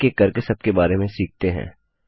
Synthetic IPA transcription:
kekɐɾkesɐb̚kebaːɾemẽsiːk̚t̪eɦɛ̰̃ː

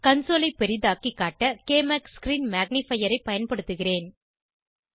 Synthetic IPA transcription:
kɐnsoːlɐɪpːɛɾɪðaːkːikːaːʈːɐkeːmaːkskɾiːnmaːɡ̚nɪfɐjɐɾɐɪpɐjɐnpɐɽɯt̪ːɯɣɪreːn

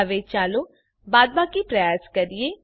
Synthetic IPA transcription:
ʋet͡ʃaːlo | baːd̪̚baːkipɾəjaːskəɾie

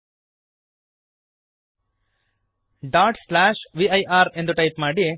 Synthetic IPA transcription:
ɖaːʈslaːʃʋiɐjʔaːɾe̞nd̪uʈɐjpmaːɽi

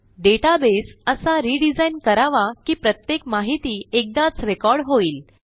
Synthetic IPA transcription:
ɖeʈabesəsaɾiɖid͡zainkəɾaʋakiːpɾət̪jekmaɦit̪iːek̚d̪at͡sɾekɔɾɽɦoiːl

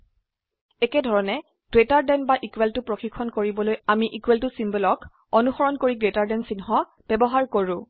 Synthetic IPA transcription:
ɛkɛdʱɔɹɔnɛ | ɡ̥ɹetaɹdɛnbaʔikweltʊpɹoxikʰːɔnkoɹibɔlojamiʔikweltʊsimbɔlɔk | ɔnuxɔɹɔnkoɹiɡɹetaɹdɛnsinɦɔ | b̥ɛbɔɦaɹkoɹʊ̃

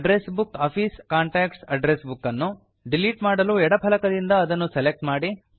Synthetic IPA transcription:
ɖɾesbukaːpʰiːskaːɳʈaːksɐɖɾesbukːɐnːu | ɖiliʈmaːɽɐluːɛɽɐpʰɐlɐkɐd̪ind̪ɐːd̪ɐnːuselek̚ʈmaːɽi

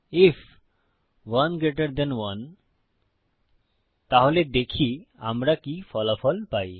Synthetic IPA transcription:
if | wʌnɡɾeʈaɾd̪ɛnwʌn | t̪aɦoled̪ekʰia̰mɾakifɔlafɔlpaj

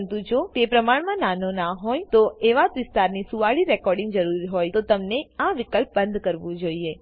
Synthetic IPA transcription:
nt̪ũd͡ʒot̪epɾəmaɳmãnanonaɦojt̪oeʋat̪ʋɪst̪aɾnisuʋaɭiɾɛkɔɾɖɪ̃ŋɡd͡ʒəɾuɾiɦojt̪ot̪əmneaʋɪkəlp̚bənd̪kəɾʋũd͡ʒoie

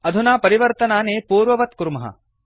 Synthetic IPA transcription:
ɐd̪ʱunaːpɐɾiʋɐɾt̪ɐnaːneːpuːɾʋɐʋɐt̪̚kuɾmɐɦɐ̰

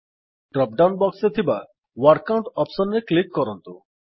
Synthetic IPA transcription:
ɖɾɔp̚ɖawnbɔkset̪ʰiba | wɔɾkawɳʈɔpsɔnɾeklikːɔɾɔnt̪u

